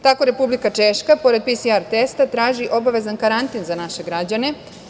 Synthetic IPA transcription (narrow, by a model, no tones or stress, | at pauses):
t̪ako̞ɾepublikat͡ʃeʃkapo̞ɾe̞d̪̚pisiaɾt̪est̪at̪ɾaːʒiʔo̞baʋe̞zankaɾant̪inzanaʃe̞ɡɾad͡ʑane̞